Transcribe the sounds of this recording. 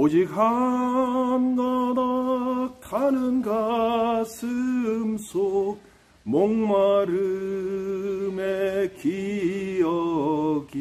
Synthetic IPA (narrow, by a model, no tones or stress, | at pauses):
od͡ʑikɦa | mɡʌnʌkʰanɯnɡasʰɯmsʰok̚ | moŋmaɾɯ | mekijʌ | ɡi